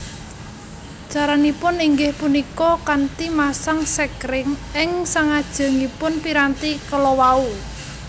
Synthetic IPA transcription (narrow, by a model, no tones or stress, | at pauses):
t͡ʃaɾanipʊniŋɡɪhpunikɔkant̪imasaŋsɛkɾɪŋɪŋsaŋad̥ʒ̥ə̤ŋipʊnpiɾant̪ikəlɔwau